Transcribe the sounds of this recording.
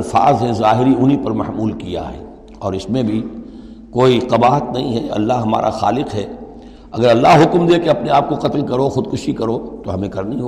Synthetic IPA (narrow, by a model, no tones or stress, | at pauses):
lfa̰ːzɦɛ̃zaːɦɪɾiʊnɦipɐɾmɐhmuːlkija̰ɦɛ̰ː | ɔːɾɪsmẽbʱi | koːiqɐbaːɦət̪nɐɦĩɦɛɐ̰lːaɦɦɐma̰ːɾʔa̰xa̰ːlɪqɦɛː | ɐɡəɾɐlːaɦɦʊkmd̪eːkeɐpneaːp̚koqɐt̪lkɐɾoxʊd̪̚kʊʃikɐɾot̪oɦɐmẽkɐɾniiɦo